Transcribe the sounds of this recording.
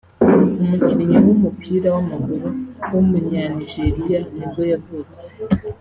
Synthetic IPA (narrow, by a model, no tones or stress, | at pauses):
omuciɾiɲiwomupʰiːɾawamaɡuɾuwomuɲaniʒe̞ɾijanibɡo̞javut͡se̥